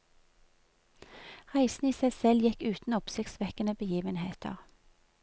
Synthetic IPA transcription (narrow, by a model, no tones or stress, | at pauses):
ʁæɪsn̩iːsæɪsɛljɛkʉːt̪n̩ʊpsɪkt̪sʋɛkənəbəjiːʋənheːt̪ʰə̰ʁ